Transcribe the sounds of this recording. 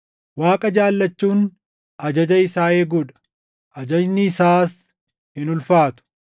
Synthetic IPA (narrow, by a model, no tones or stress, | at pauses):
waːkʼɐd͡ʒaːlːɐt͡ʃːuːn | ʔɐd͡ʒɐd͡ʒɐɪsaːeːɡuːᶑɐ̥ | ʔɐd͡ʒɐd͡ʒnɪːsaːs | hɪnʊlfaːt̪ʊ̥